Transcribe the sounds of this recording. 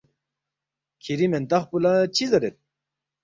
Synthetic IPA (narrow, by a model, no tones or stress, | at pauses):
kʰiɾiment̪ɐχpulat͡ɕʰizɐɾet̪̚